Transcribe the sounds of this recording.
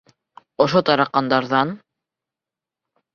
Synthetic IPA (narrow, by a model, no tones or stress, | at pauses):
ŏʃot̪ɑɾɑqɑnd̪ɑɾðɑn